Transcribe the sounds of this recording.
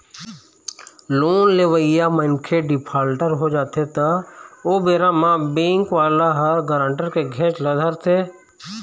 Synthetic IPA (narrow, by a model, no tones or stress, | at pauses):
loːnleʋəɪjaməɪnkʰeɖɪpʰaːlʈəɾɦod͡ʒaːt̪ʰet̪aoːbeːɾãmãbẽːŋkʋaːlaɦəɾɡəɾə̃ɳʈəɾkeɡʱẽːt͡ʃləd̪ʱəɾt̪ʰeː